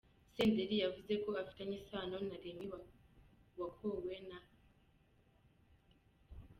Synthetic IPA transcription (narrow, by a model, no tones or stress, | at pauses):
seːndeɾijavuze̞ko̞afi̥taɲisanonaɾemiwa | wakʰowena